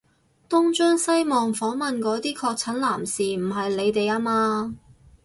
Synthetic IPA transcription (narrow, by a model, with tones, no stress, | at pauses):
t̪ʊ˥ŋt͡ʃœː˥ŋsɐ˥jmɔː˨˩ŋfɔː˨˥ŋmɐ˨nkɔː˨˥t̪iː˥kʰɔː˧k̚t͡sʰɐ˨˥nlaː˨˩msiː˨m̩˨˩ɦɐ˨jle˨˧jt̪e˨jaː˥maː˧